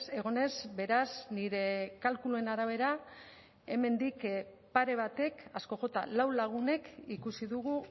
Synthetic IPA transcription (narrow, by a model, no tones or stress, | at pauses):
e̞ɣ̞o̞ne̞zbe̞ɾazniɾe̞kalkulue̞naɾaβ̞e̞ɾa | eme̞nd̪ik | paɾe̞β̞at̪e̞kasko̞ʝo̞t̪a̰lawlaɣ̞une̞kikusiðuɣ̞u